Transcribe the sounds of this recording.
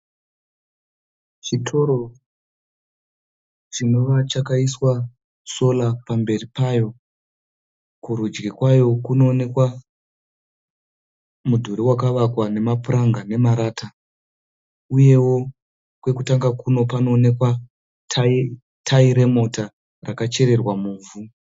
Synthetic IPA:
ʐitʰo̞ɾo̞ | ʐino̞ʋat͡ʃakaiswa | so̞lapambe̞ripajo̞ | kuɾud͡ʒɡikwajo̞kuno̞ːne̞kwa | mudʱuɾiwakaʋakwane̞mapuraŋɡane̞maɾaːta | uje̞wo̞ | kwe̞kutaŋɡakuno̞pano̞ːne̞kwa | tʰi | tʰaiɾe̞mo̞ta | rakat͡ʃe̞ɾe̞rwamuːvu

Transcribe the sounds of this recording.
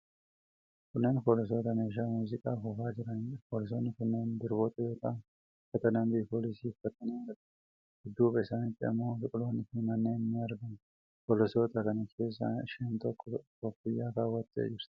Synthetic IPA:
kʊnːeːnpoːlɪs̬o̞ːt̪ɐmeːʃ̬amuːzɪkʼaːfɔfaːd͡ʒɪɾɐnpoːlɪs̬onːɪkʊnːeːnd̪ɪɾboːt̪ʼɐjoːt̪a | fɐt̪ɐnɐnb̪iːpoːlɪsiːfɐt̪ːɐniɐɾd̪ | hɪd̪ːuːbɛsaːnɪt̪ʼːɪɐ̰moːsɪkʼʊloːnɪfɪnɐnːeːnːɪɐɾɡ̪ɐn | polɔsoːt̪ɐkɐnɐkʰe̞ːs̬ːɐ̰ʃeːnt̪ɔkːɔkɔkːɪjːaːkaːwɐt̪ʼːḛːd͡ʒɪɾs

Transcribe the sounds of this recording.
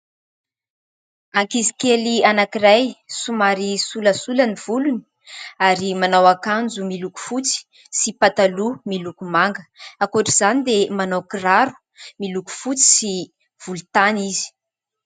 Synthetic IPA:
aŋkizi̥kelianakirajsumaɾisuləsulaniv̥uluni̥ | aɾimanawakand͡zumiluku̥fut͡si̥ | sipat̪alumilukumaŋɡəakoʈ͡ʂiz̥anid̪emanawkiraɾu̥ | miluku̥fut͡si̥si | v̥ulut̪anizi̥

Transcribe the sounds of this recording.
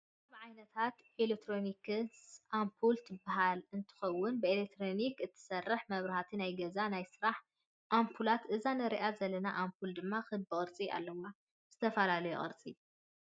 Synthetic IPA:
βʕajnɐt̪ʰat̪ʔelekt̪ʰɾo̞nikʰɨsʔampʰult̪ʰɨbaɦalɨnt̪ʰɨ̥xɐwːʊnbɨelek̚t̪ʰɾo̞nikɨt̪ʰːɨ̥sɐrːɐħmɐβɾɐhat̪ʰinajɡɐzanajsɨɾaħ | ʔampʰulat̪ʔɨzanɐɾiʔazɐlɐnaʔampʰuld̪ɨmːaxɨɨdbɨχʼɨɾt͡sʼia̰lːɐwa | z̥ɨt̪ʰɐfɐlalɐjṵχʼɨ̰ɾt͡sʼi

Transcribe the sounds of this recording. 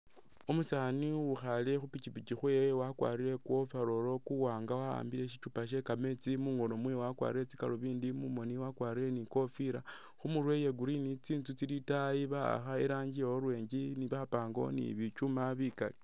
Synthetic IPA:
omusaniuxale̞xupit͡ʃipit͡ʃixwewakwa̰ːɾiɾe̞kwo̞faɾo̞lo̞kuwaːŋɡawaa̰ːmbile̞ʃ̬it͡ʃupaʃ̬e̞kame̞t͡simuːŋɡo̞no̞mwewakwa̰ːɾiɾe̞t͡sika̰loβiːndimumo̞niwakwaːɾiɾe̞niko̞fiɾa | xumurwe̞jeɡuɾinit͡siːntut͡silitajiβaa̰xaeɾaːɲɟieoɾwe̞ːɲɟiniβapaːŋɡo̰nḭβit͡ʃumaβika̰li

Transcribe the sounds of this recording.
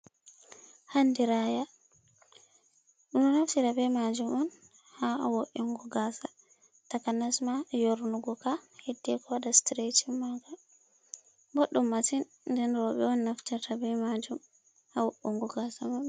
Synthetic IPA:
handiɾaja | ɗunɔnaftitabɛmad͡ʒumɔn | hawoʔːɛŋɡɔɡasa | takanasmajoɾnuɡɔkahedːɛkɔwaɗastɾetimaɡa | boɗːumːasin | ndɛnɾɔɓɛɔnnaftiɾtabɛmad͡ʒum | hawoʔːuŋɡɔɡasama

